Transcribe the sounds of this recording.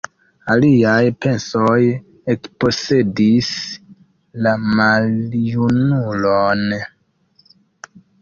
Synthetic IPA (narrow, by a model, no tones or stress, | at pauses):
aliajpe̞nsoj | ekpo̞se̞dis | lamaljunulon